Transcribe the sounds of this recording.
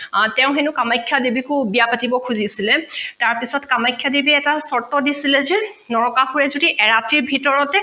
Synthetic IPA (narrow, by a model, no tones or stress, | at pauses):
tɛʊ̃xenʊkamajkʰːjadibikʊbijapatibɔkʰuzisilɛtaɹpisɔtkamajkʰːjadibiɛtasɔɹtːɔdisilɛzɛ | nɔɹɔkaxuɹɛzodiʔɛɹatiɹbʱitɔɹɔtɛ